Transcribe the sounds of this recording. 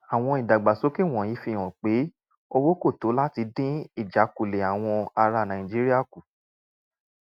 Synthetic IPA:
a˨w̃ɔ̃˧i˨da˨ɡ͡ba˨so˨˦ki˦˨w̃ɔ̃˨ji˨˦fĩ˧˨ɔ̃˨k͡pe˨˦ | o˧wo˦ko˦˨to˨˦la˦ti˧˦dĩ˦i˦˨d͡ʒa˨˦ku˦˨le˨a˨w̃ɔ̃˧a˧ɾa˧˨nã˨ĩ˨d͡ʒi˦ɾi˦a˦˨ku˨

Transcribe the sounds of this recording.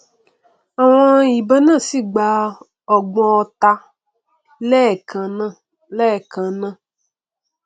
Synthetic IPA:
a˨w̃ɔ̃˦i˨bɛ˦nã˦˨si˦˨ɡ͡ba˧ | ɔ˨ɡ͡bɔ̃˧ɔ˧t̪a˧ | lɛ˦˨kʰã˨˧nã˦ | lɛ˦˨kã˨nã˦˨

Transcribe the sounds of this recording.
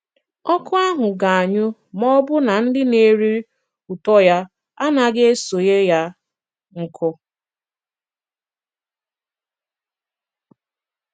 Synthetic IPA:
ɔ˦kʊ˦a˦ɦʊ˨ɡa˨a˨ɲʊ˦ | mɔ˦bʊ˦na˨n̩˦dɪ˦ne˦ɾi˦ | u˨tɔ˦ja˦ | a˦na˨ɡe˦e˦so˨je˦ja˦ | ŋ̩˨kʰʊ˦

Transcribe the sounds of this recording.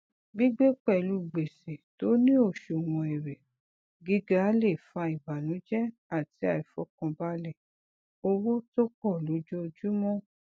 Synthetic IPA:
bi˦ɡ͡be˦k͡pɛ˦˨lu˧ɡ͡be˨se˨to˨˦nĩ˦o˦˨ʃo˨wɔ̃˧˨ɛ˨ɾɛ˨ | ɡi˦ɡa˦le˦˨fa˧i˨ba˨nũ˨˦d͡ʒɛ˦ | a˦˨ti˨˦a˨i˨fɔ˨˦kɔ̃˧ba˦lɛ˦˨ | o˧wo˦to˦kɔ˦˨lo˨˦d͡ʒɔ˦˧d͡ʒu˦mɔ̃˦

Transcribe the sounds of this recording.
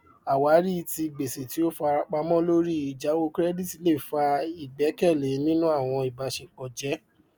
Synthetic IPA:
a˨wa˨˦ɾi˦˧ti˧˨ɡ͡be˨se˨ti˨˦o˦fa˧ɾa˧k͡pa˧mɔ̃˦lo˦ɾi˦i˨d͡ʒa˨˦wo˦kɾɛ˦di˦˨ti˨˧˦le˦˨fa˧i˨ɡ͡bɛ˨˦kɛ˦˨le˨˦nĩ˦nũ˦a˦˨w̃ɔ̃˧i˨ba˧ʃe˨k͡pɔ˨d͡ʒɛ˨˦

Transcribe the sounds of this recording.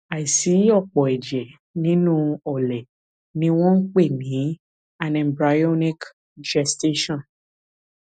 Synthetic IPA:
a˨i˨si˨˦ɔ˦˨k͡pɔ˨ɛ˨d͡ʒɛ˨ | nĩ˦nũ˦ɔ˨lɛ˨ | nĩ˦w̃ɔ̃˦n̩˦k͡pe˦˨nĩ˨˦ | a˨nɛ̃˨mbɾa˧jɔ˦nĩ˦k | d͡ʒɛ˧ste˦ʃɔ̃˦˨n

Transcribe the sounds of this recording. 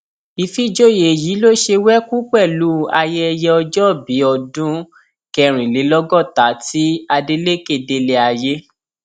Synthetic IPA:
i˧fi˦d͡ʒo˦˨je˨ji˨˦lo˦ʃe˧wɛ˦ku˦k͡pɛ˦˨lu˨˦a˧je˦ɛ˧jɛ˧ɔ˧d͡ʒɔ˦˨bi˨˦ɔ˧dũ˦ | kɛ˧ɾ̃ĩ˨le˨˦lɔ˦ɡɔ˦˨ta˨˦ti˦a˧de˧le˦ke˦˨de˧le˧a˧je˦

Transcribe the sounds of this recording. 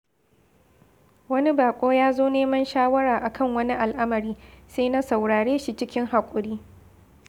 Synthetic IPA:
wɐ˦ni˦baː˨kʷʼoː˦jaː˦zoː˦neː˦mɐ˦nʃaː˦wɐ˦ɽaː˨ʔa˨kʰɐ˦˨ŋwɐ˦ni˦ʔa˨lʔa˦mɐ˨ɾiː˦seː˦na˦sa˨wɽaː˨ɽeː˦ʃi˨t͡ʃɪ˦kʲɪ˦ŋɦa˨kʷʼʊ˨ɽiː˦

